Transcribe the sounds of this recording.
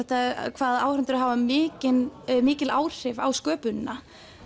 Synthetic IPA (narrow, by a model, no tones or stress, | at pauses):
ɛht̪aɛɾ̰kʰvaːðaːwɾʏnt̪ʏɾɦaːvamɪːcɪnmɪːcɪlaːwr̥ɪvawskœːpʏnːa